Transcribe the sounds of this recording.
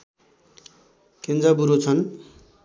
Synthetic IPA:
kend͡zabuɾot͡sʰʌn

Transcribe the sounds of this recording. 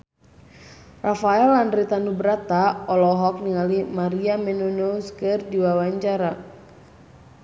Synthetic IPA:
rafaɛlandɾit̪anubəɾat̪aɔlɔɦɔk̚niŋalimaɾiamɛnonoskɨrdiwawaɲt͡ʃaɾa

